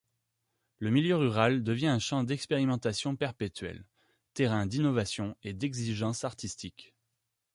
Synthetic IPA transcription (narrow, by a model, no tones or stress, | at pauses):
ləmiljøʁyʁald̪əvjɛ̃ɛ̃ʃɑ̃d̪ɛkspeʁimɑ̃t̪asjɔ̃pɛʁpet̪ɥɛ̰l | t̪eʁɛ̃d̪inɔvasjɔ̃ed̪ɛɡziʒɑ̃saʁt̪ist̪ik